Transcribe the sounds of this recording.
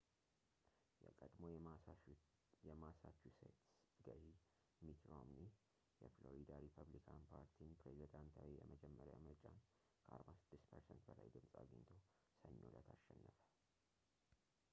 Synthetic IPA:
jɛkʼəd̪mo̞ | jɛmasat͡ʃːusḛt̪s | ɡəɾi | mit̪ɾo̰mni | jɛfloɾid̪aɾipʰəβlikʰanpʰaɾt̪ʰinpɾezid̪ant̪ʰawijɛməd͡ʒɛmːəɾa̰mət͡ʃʼan | kʰəʔa̰ɾbasɨd̪̥ːɨst̪pʰəɾsənt̪̚bəlajd̪ɨmsʼaɡɨɲt̪ʰo̞ | səɲːolət̪ʰaʃːɛnːəfə̥

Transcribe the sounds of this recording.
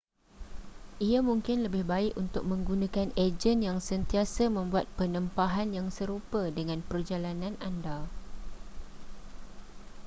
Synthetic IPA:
ʔiamũŋkɪnləbɪhbaɪkunt̪ʊk̚mə̃ŋɡunãkaned͡ʒənjaŋsənt̪iasamə̃mbuat̪̚pənə̃mpaɦanjaŋsəɾupədəŋãnpərd͡ʒalanãnʔanda

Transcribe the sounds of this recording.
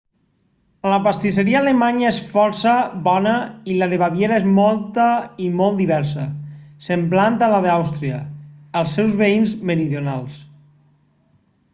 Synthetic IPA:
ləpast̪iseɾiaːlemaɲaesfɔɾsəβɔnəilaðeβaβjeɾaezmɔlˠt̪əimɔlˠt̪iβɛɾs̬əsəmblant̪əlaðawst̪ɾiɐ̰ːlˠsːɛwzβeinzməɾiðijonalˠs

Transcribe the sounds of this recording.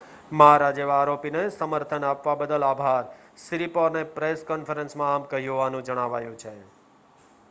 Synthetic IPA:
məɦaɾad͡ʒeʋaːɾopinesəməɾt̪ʰənapʋabəd̪əlabʱaɾ | sɪɾipɔɾnepɾeskɔnfəɾənsmãamkəɦjuɦʋanũd͡ʒəɽ̃aʋajũt͡ʃʰe

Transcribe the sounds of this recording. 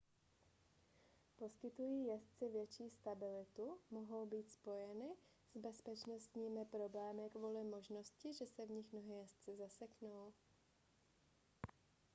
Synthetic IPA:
po̞skɪt̪ujiːjɛst͡sɪvjɛt͡ʃiːst̪abɪlɪt̪umo̞ɦo̞wbiːt̪spo̞jɛnɪ | z̥bɛspɛt͡ʃno̞st̪ɲiːmɪpɾo̞blɛːmɪkvuːlɪmo̞ʒno̞scɪʒɛsɛvɲɪxmno̞ɦɛːjɛst͡sɪzasɛknow

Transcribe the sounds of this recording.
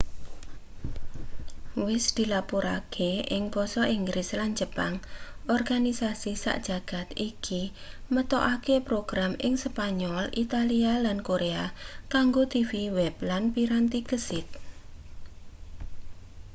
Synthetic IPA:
wɪsd̪̥i̤lapuɾa̰kʰeʔɪŋb̥ɔsɔʔiŋɡɾʔɪsland͡ʒəpaŋʔɔrɡ̥anisasisa̰ʔd̥ʒ̥a̤ɡ̥a̤t̪iki | mət̪ɔʔakepɾoɡ̥ɾamɪŋspaɲɔlʔit̪alialankoɾeakaŋɡot̪ifiwɛblanpiɾant̪iɡəsɪt̪̚

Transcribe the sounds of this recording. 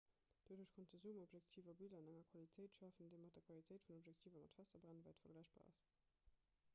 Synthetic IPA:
d̥oduɐʃkʰɔntəzuːəmobʒjæktʰiːvɐbilɐənæŋɐkʰwalitʰəɪtʃɑːfəndeɪmɑt̚d̥ɐkʰwalitʰəɪtfunopʒæk̚tʰiːvɐmɑ̰tfæsɐbʁænvæɪtfɐɡlæɪʃb̥a̰ːɑ̰s

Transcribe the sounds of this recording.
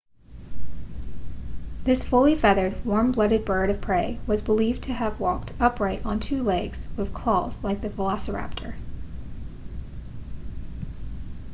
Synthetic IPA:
ðɪsfʊlˠifɛðə˞d̚wɔɹmblʌɾɨd̚bɜ˞ɾʌv̥pʰɹ̥eɪwʌzbəliv̚tʰɨəvwɔk̚tʰʌpɹaɪɾn̩tʰʉlɛɡz̥wɨð̥kʰl̥ɔlˠz̥laɪk̚ðɨvəlɑsə˞æ̰p̚tʰə̰˞

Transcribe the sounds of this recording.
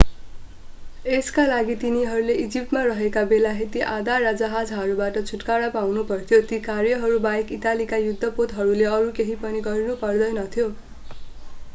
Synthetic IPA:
eskalaɡit̪iniɦʌɾuleʔid͡zip̚ʈmarʌɦekabelaɦet̪iʔad̪arad͡zʌɦad͡zɦʌɾubaʈʌt͡sʰuʈkaɽapawnupʌrt̪ʰjot̪ikarjʌɦʌɾubaekit̪alikajud̪ʱːʌpot̪ɦʌɾuleʌɾukeɦipʌniɡʌɾinupʌrd̪ʌjnʌt̪ʰijo

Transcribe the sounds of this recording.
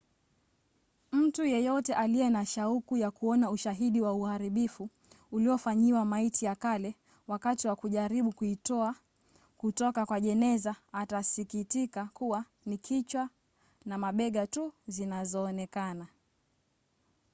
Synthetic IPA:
m̩tujɛjɔtɛʔaliɛnaʃaukujakuɔnauʃaɦiɗiwauhaɾiɓifu | uliɔfaɲiwamaitijakalɛ | wakatiwakuʄaɾiɓukuitɔa | kutɔkakwaʄɛnɛzaːtasikitikakuwa | nikʰit͡ʃwa | namaɓɛɠatuzinazɔːnɛkana

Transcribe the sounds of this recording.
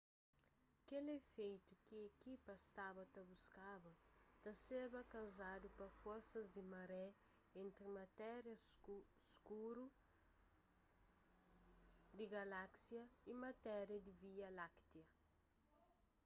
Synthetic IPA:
kelefejt̪ukiekipɐst̪abɐt̪ɐbuskabɐt̪ɐseɾbɐkawzad̪upɐfoɾsɐzd̪ɪmɐɾɛ | ẽnt̪ɾimɐt̪ɛɾjɐskuɾu | d̪iɡalaksjɐimɐt̪ɛɾjɐd̪iviɐlakt̪jɐ

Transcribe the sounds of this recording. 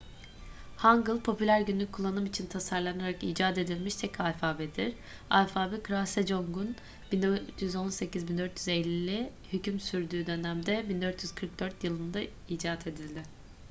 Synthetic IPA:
haŋɡɯlˠpʰo̞pʰylʲæɾɟynlʲyc̚kʰːulˠːanɯmit͡ʃʰint̪ʰasaɾlˠanaɾakiːd͡ʒaːt̪e̞d̪ilʲmiʃt̪ʰɛcʰalʲfaːbɛd̪iɾ̥ | alfaːbɛkʰɾasɛd͡ʒo̞ŋɡun | bind̪jyzo̞nse̞cizbind̪øɾt̪ʰjyzelʲːiːɪ | hycymsyɾd̪yːd̪ø̞næmd̪ɛbind̪øɾt̪ʰjyz̥kʰɯɾk̚d̪øɾt̪ʰjɯlˠɯnd̪aiːd͡ʒaːt̪ʰe̞d̪ilʲd̪ɪ

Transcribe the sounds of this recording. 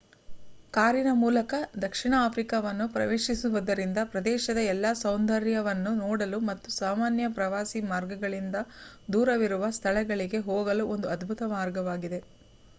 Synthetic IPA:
kaːɾinɐmuːlɐkɐd̪ɐkʂiɳɐaːpʰɾikaʋɐnːupɾɐ̰ʋeːʃisuʋɐd̪ɐɾind̪ɐpɾɐd̪ɛːʃɐd̪ɐɛlːaːsɐwnd̪ɐɾjɐʋɐnːunoːɽɐlumɐt̪ːusaːmaːnjɐpɾɐʋaːsimaːɾɡɐɡɐɭind̪ɐ | d̪uːɾɐʋiɾuʋɐst̪ʰɐɭɛɡɐɭiɡe̞ɦoːɡɐluo̞nd̪uɐd̪bʱut̪ɐmaːɾɡɐʋaːɡid̪e̞

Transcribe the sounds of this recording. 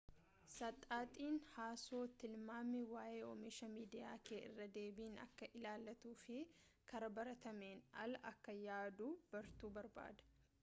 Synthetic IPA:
sɐt̪ʼaːt̪ʼiːnhaːso̞ːt̪ɪlmaːmːɪwaːʔeːɔmɪʃɐmiːd̪ɪjaːkeːʔɪ̰rːɐd̪e̞ːbiːnɐ̰kːɐʔɪlaːlːɐt̪uːfɪ | kɐɾɐbɐɾɐt̪ɐme̞ːnɐ̰lɐʔɐkːɐjaːd̪uːb̥ɐɾt̪uːbɐɾba̰ːd̪ɐ̥

